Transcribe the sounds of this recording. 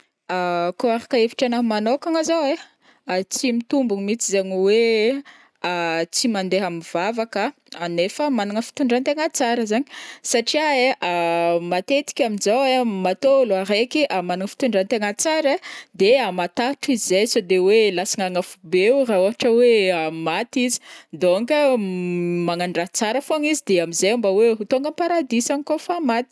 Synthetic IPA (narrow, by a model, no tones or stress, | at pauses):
akoaɾakəefi̥ʈ͡ʂanamanokaŋazawe | at͡simit̪umbuŋmit͡sizaɲiwe | at͡simand̪eɦaminv̥avakə | anefəmanuŋəfi̥t̪uɳɖ͡ʐant̪eŋat͡saɾəzaɲi̥saʈ͡ʂiaeʔamat̪et̪i̥kʲaminzawemat̪oloaɾekiʔamanaŋəfi̥t̪uɳɖ͡ʐant̪eŋat͡saɾad̪eamat̪aʈ͡ʂizizejsod̪ewelasiŋaŋafubewrauaʈ͡ʂəweamat̪izi̥d̪oŋɡə | maŋaɳɖ͡ʐat͡saɾəfonizid̪eamizembaweɦut̪oŋɡəmpaɾad̪isanikofamat̪i̥